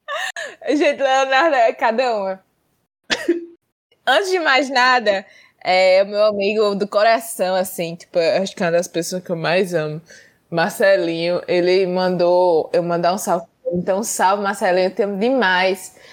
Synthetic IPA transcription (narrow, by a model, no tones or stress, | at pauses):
ʒẽt̪ɪãnad̪ɐkad̪ɐũmɐ̃ | ɐ̃t̪ɪzd͡ʒɪmajznad̪ɐ | ɛʊmewamiɡʊd̪ʊkoɾasɐ̃w̃asĩt͡ʃ̪i̥pʊɐaʃkũɐd̪ɐspesoɐskewmajzɐ̃mʊ | mahsɛlĩɲʊʔelɪmɐ̃d̪oewmɐ̃nd̪aũsawv | ẽnt̪ɐ̃w̃sawvɪmahsɛlĩɲʊt̪ẽmʊd̪ɪmajs